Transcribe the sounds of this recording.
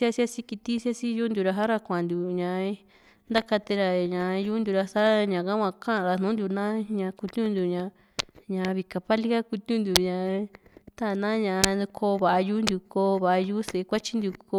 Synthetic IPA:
sja˦sja˦si˦ki˧t̪i˦sa˦si˦ju˦nd̪u˧ɾa˧ɦa˦ɾa˧kʷã˨nd̪u˨ɲã˧ | nd̪a˦ka˧t̪e˧ɾa˧ɲã˨˧ju˦nd̪u˧ɾa˧sa˦ɲã˨ka˦kʷã˧kã˦˧˨ɾa˧n̥nũː˨˦nd̪u˧nã˦ɲã˧ku˧t̪ũ˦nd̪u˧ɲã˧ | ɲã˧βi˧ka˧pa˦li˦ka˦ku˧t̪ũ˦nd̪u˨ɲã˧˨˧t̪a˦˨nã˦ɲã˧˨˧kʰo˧βa˨a˧juː˦nd̪u˧ko˧βa˨a˧juː˦se˨˧kʷa˦t͡ʃi˦nd̪u˧ko˧

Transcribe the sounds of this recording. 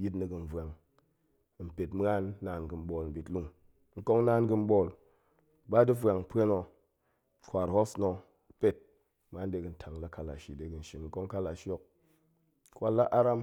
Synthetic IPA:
ji˦tni˨ɡɨ˨n˦vʷa˨ŋ˨ | m̩˨pe˨tmɨ˦a˦nː˦aː˨nɡɨ˨m̩˦ɓo˨lm̩˨bʲi˨tlu˦ŋ | ŋ̩˦ko˦ŋna˦nɡɨ˧m̩˦bo˦˨l | ba˦di˦fwa˨ŋ˦pe˦no˨ | kʷa˨ɾho˦sno˧ | pe˦˨t̚ | m˦a˦n˦de˦ɡɨ˨n̩˦tʰa˨ŋ˨la˦ka˦la̰˨ʃi˨de˨˦ɡɨ˨n̩˨ʃi˨nŋ̩˦ko˦ŋ˦ka˦la˨ʃo˦k̚ | kwa˦la˦ʔa˦ɾa˦m

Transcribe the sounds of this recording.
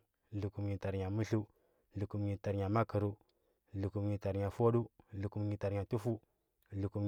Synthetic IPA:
lu˨ku˨mɲi˨ta˨ɾɲa˨mi˦ɬu˦ | lu˨ku˨mɲi˨ta˨ɾɲa˨ma˦kə˨ɾu˦ | lu˨ku˨mɲi˨ta˨ɾɲa˨fo˦ɗu˦lu˨ku˨mɲi˨ta˨ɾɲa˨tu˦fu˦ | lu˨ku˨m

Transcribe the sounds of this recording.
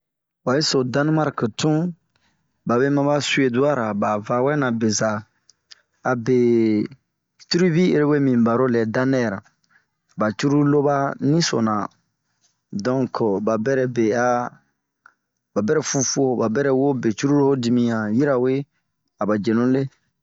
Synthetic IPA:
wa˨e˦so˨dã˦n˦ma˦ɾktũ˦ | ba˨be˦mã˦ba˦su˦e˨du˦a˦ɾa˨ba˨va˨wɛ˦nã˨be˨za˨ | be˨ | tu˦ɾi˦bi˦ḛ˨ɾe˦we˦mĩ˨ba˨ɾo˦lɛ˨dã˦nɛ˦˨ɾã˨ | ba˨t͡ʃu˦ɾu˦lo˦ba˦nĩ˦so̰˨nã˨ | dɔ̃˦ŋkba˨bɛ˦ɾɛ˨be˨a˦ | ba˨bɛ˦ɾɛ˨fu˧fu˦o˦ba˨bɛ˦ɾɛ˦wo˦be˨t͡ʃu˦ɾu˦ɾo˦ho˦di˨mĩ˦ã˨ji˦ɾa˨we˦ | a˨ba˨d͡ʒe˨nũ˦le˦

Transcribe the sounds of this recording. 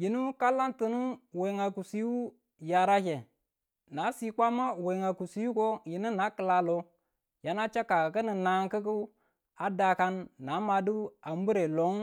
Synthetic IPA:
ji˨nu˦ka˦la˦ntu˨nu˦we˨ŋa˨ku˨si˦wu˦ | ja˨ɾa˦ke˨ | na˨˦si˦kʷa˦ma˦we˨ŋa˨ku˨si˦ju˦ko˦ji˨nu˦na˦kə˨la˨lo˨ | ja˨na˦t͡ʃa˦ka˨kə˦ni˨na˨ŋkə˦ku˦ | a˨da˨ka˦nːa˨˦ma˨du˦a˨m˦bu˦ɾe˨lo˨˦ŋ

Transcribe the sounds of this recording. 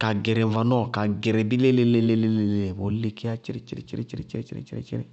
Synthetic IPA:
ka˨ɡɛ˨ɾɛ̃˨ɱva˨nɔ˦˨ka˨ɡɛ˨ɾɛ˨bi˦le˦le˦le˦le˦le˦le˨le˨le˨bo˨˦le˦ki˦a˦t͡ʃi˦ɾḛ˦t͡ʃi˦ɾḛ˦t͡ʃi˦ɾe˦t͡ʃi˦ɾe˦t͡ʃɾe˦t͡ʃḭ˦ɾḛ˦t͡ʃḭ˦ɾḛ˦t͡ʃi˦ɾḛ̃˦

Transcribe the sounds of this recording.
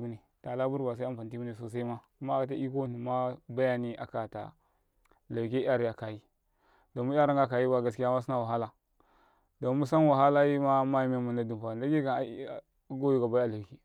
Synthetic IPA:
bu˦ni˨ | ta˨la˦bu˦ɾba˨s̬a˦a˦pa˨n˨ti˦bu˦ni˨so˨s̬a˦i˦ma˦ku˦ma˦˨ka˨ta˦i˦ko˦nu˨ma˦ba˦ja˦ni˦a̰˨ka˨ta̰˨ | la˨k̬e˦a˦ɾi˦ja˨ka˨ji˦ | do˨mu˦a˦ɾa˦ŋɡa˦ka˨ji˦ba˦ɡa˦ski˦ja˦ma˦s̬i˦na˦wa˨ɦa˦la˨ | do˨mu˦sa˦n˦wa˨ɦa˦la˦ji˦ma˦ma˦ji˦me˦mu˨na˦du˨mpa˨la˦ɡe˦ka˨˦˨ | ɡo˦ji˦ɡa˨ba˦ja˨la˨ki˦

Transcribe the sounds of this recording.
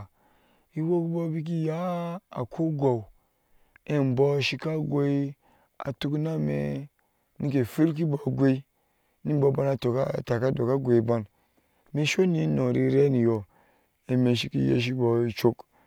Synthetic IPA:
i˦wo˦ku˦bo˦bi˦k̬i˦ja˦a̰˨kʰo˦ɡʷa˨u˨ | e˦˨m˨bɔ˦ʃi˦ka˦ɡʷe˦i˦ | a̰˨tu˦kna˦mḛ˨ | ni˦k̬e˨fi˦ɾk̬i˦bo˨ɡʷe˦i˦ | ni˦bo˨˦ba˦na˨to˨ka˦˨ta˨ka˦do˨ka˦ɡʷe˨i˨˦ba˦n | me˦ʃo˦ni˨˦no˨ɾi˦ɾe˦ni˨jo˨ | e˨me˨ʃ̬i˦ki˦jḛ˦ʃ̬i˦bo˨i˦t͡ʃo˦k

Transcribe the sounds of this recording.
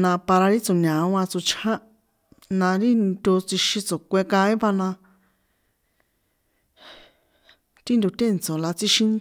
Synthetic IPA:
nã˧pa˧ɾa˧ɾi˦t͡so˨nã˨ũ˦ã˧t͡su˧t͡ʃʰhã˦ | nã˧ɾi˦t̪ʲo˧t͡si˧ʃĩ˧t͡so˨kʷe˧kã˧ĩ˦βa˧nã˧ | t̪i˦nd̪u˧t̪e˦˨nt͡so˨la˧t͡si˧ʃĩ˧n

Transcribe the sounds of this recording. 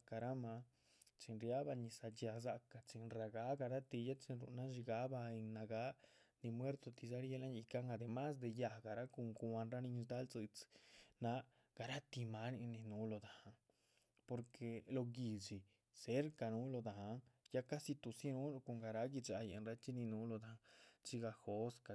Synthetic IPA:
ka˧ɾa˦ma˧˦ | t͡ʃi˧nɾja˦ba˧ni˧sa˧d͡ʒja˧z̬a˧ka˧t͡ʃi˧nɾa˧ɡa˦ɡa˧ɾa˦t̪i˧ja˦t͡ʃi˧nɾṵ˧ʔna˦ʒi˧ɡa˦ba˧e˧ŋna˧ɡa˦ni˧mwe˦ɾt̪o˧t̪i˧za˦ɾje˧la˦ɲi˧ka˦ŋa˧d̪e˨ma˦s̬d̪e˧ja˧˨ɡa˨ɾa˦ko˧ŋku˧a˧nɾa˦ni˧sd̪a˦lt͡sɨ˧t͡sna˧ | ɡ̥a˧ɾa˦t̪i˧ma˦ni˧ni˧nu˧˦lo˧d̪a˨a˧ŋ | po˧ɾkʰe˧lo˧ɡi˨d͡ʒi˨ | se˦ɾka˧nu˦lo˧d̪a˨a˧˦ŋja˦ka˦si˧t̪u˧si˦nu˦lo˧ko˧ŋɡa˨˧ɾa˧ɡi˧t͡ʃa˧jḛ˧˨nɾa˧˦t͡ʃi˦ni˧nu˧˦lo˧d̪a˨˧t͡ʃi˧ɡa˧xo˨˦ska˧

